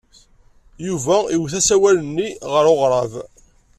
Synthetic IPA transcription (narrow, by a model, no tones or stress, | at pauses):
juvæiwθæsæwælənːiʁəɾoʁɾˤɑv